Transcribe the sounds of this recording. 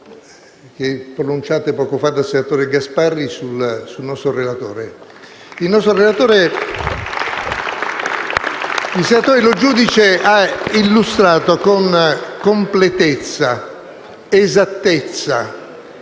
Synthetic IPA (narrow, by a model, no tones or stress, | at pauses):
k̟pːɾonunt͡ʃaːt̪epɔːkofad̪ːasenat̪oːɾeɡasparːisulsulnɔst̪ɾorelat̪o̰ːɾe | ilnɔst̪ɾorelat̪oːɾe | ilsenat̪oːɾelod͡ʒuːd̪it͡ʃeailːust̪ɾaːt̪okonkomplet̪et̪sːa | ezat̪ːet̪sːa